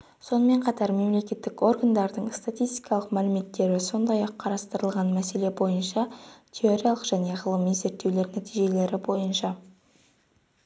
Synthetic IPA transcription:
so̞nəme̞ɴqʰɑt̪ɑɾme̞mle̞kʲe̞t̪ːɪko̞rɡand̪ɑɾd̪əɴst̪at̪ʲijst̪i̥kɑlˠəqmælɪme̞t̪ːe̞ɾɪso̞nd̪ɑjɑqʰːɑɾɑst̪əɾəlˠʁɑnmæse̞le̞bo̞jənʃɑt̪ʲʰe̞o̞ɾʲijalˠəqʒæne̞ʁəlˠəmijze̞ɾt̪ːe̞wle̞ɾnæt̪ijʒe̞le̞ɾɪbo̞jənʃɑ

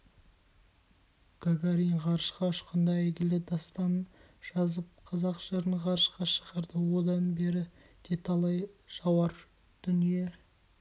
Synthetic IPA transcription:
ɡ̥aɡaɾiɴʁɑɾʃqɑʊʃqənd̪ɑeɡʲɪlɪd̪ɑst̪ɑn | ʒ̥ɑzəp̚qʰɑzɑqʒ̥eɾənʁɑɾəʃqɑʃə̥ʁɑɾd̪əwo̞d̪ɑnbe̞ɾɪ | d̪̥ʰet̪ɑlˠɑjʒ̥ɑwɑɾ | d̪̥ʏnije̞

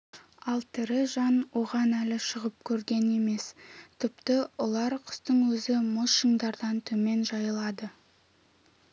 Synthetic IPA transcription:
ɑlˠt̪ʰɪɾɪʒɑnwo̞ʁɑnælɪʃəʁəp̚kʲʰɵɾɡʲe̞ne̞me̞st̪ʰɪpt̪ɪolˠɑɾqʰʊ̥st̪əɴwɵzɪmʊʃəŋd̪ɑɾd̪ɑnt̪ʰɵme̞nʒɑjəlˠɑd̪ə

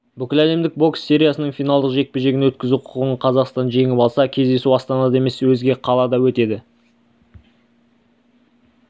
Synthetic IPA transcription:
bʏkʲɪlæle̞md̪ɪk̚bo̞ksːe̞ɾʲijasənəɴfijnaɑlˠd̪əqʒe̞k̚peʒe̞ɡɪnwɵt̪̚kʲɪzuqʰʊ̥ʁəɴqʰɑzɑqst̪ɑnʒe̞ŋɪpɑlˠsɑkʲʰe̞zd̪e̞suɑst̪ɑnɑd̪ɑe̞me̞swɵzɡʲe̞qʰɑlˠɑd̪ɑwɵt̪e̞d̪ɪ

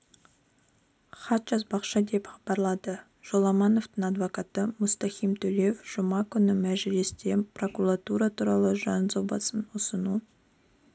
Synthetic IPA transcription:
χɑt̪ʒɑzbɑqʃɑd̪e̞pχɑbɑɾlˠɑd̪ə | ʒ̥olˠɑmɑno̞vt̪əɴad̪vo̞kat̪əmʊst̪ɑχijmt̪ʰɵleefʒ̥ʊmɑkʲʰʏnɪmæʒɪlɪst̪e̞pro̞kuɾat̪uɾat̪ʰuɾɑlˠəʒɑnzobɑ̰sənʊsənu

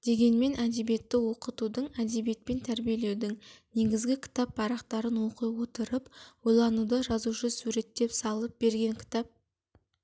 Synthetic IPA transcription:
d̪̥e̞ɡʲe̞nme̞nʔæd̪e̞bije̞t̪ːɪwo̞qət̪ud̪əɴæd̪e̞bije̞t̪̚pe̞nt̪ʰæɾbije̞le̞wd̪ɪŋne̞ɡʲɪzɡʲɪkʲʰɪ̥t̪ɑppʰɑɾɑqt̪ɑɾənwo̞qəjwo̞t̪əɾəpwojlˠɑnud̪əʒɑzuʃəsuɾe̞t̪ːe̞psɑlˠəp̚be̞ɾɡʲe̞ŋkʲʰɪ̥t̪ɑp̚

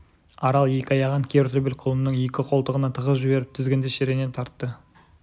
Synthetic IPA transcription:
ɑɾɑlˠje̞kʲɪɑjɑʁɑŋkʲʰe̞ɾt̪ʰebelqʰʊlˠəmnəŋje̞kʲɪqʰo̞lˠt̪əʁənɑt̪ʰəʁəʒɪbe̞ɾɪp̚t̪ʰɪzɡʲe̞nd̪eʃeɾe̞nent̪ʰɑɾt̪ːə

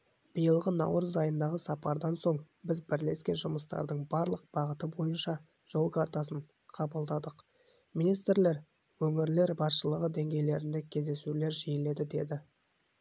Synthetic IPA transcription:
b̥ijəlˠʁənɑ̰wɾəzɑjənd̪ɑʁəsɑpɑɾd̪ɑnso̞ɴ | bɪzbɪɾle̞skʲe̞nʒʊməst̪ɑ̰ɾd̪əɴbɑɾlˠəq̚b̥ɑʁət̪əbo̞jənʃɑ | ʒ̥o̞lˠkʰaɾt̪ɑs̬əɴ | qʰɑbəlˠd̪ɑd̪əq | minijst̪ɾle̞ɾ | wɵŋɪɾle̞ɾbɑsʃəlˠəʁəd̪e̞ŋɡʲe̞jle̞ɾɪnd̪e̞kʲʰe̞zd̪e̞sule̞ɾʒijɪle̞d̪ɪd̪e̞d̪ɪ

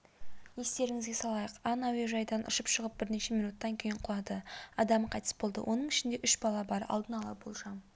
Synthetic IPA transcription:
je̞st̪e̞ɾɪŋɪzɡʲe̞sɑlˠɑjəqɑnaweʒɑjd̪ɑnʔə̰ʃəpʃəʁəp̚bɪɾne̞ʃe̞mijnut̪ːɑŋkʲʰe̞jɪɴqʰʊlˠɑd̪əɑd̪ɑmqʰɑjt̪ə̥sbo̞lˠd̪ə̰wʔo̞nəɴɪʃɪnd̪e̞ʔʏʃbɑlˠɑbɑɾɑ̰lˠd̪ənɑlˠɑbolˠʒɑm

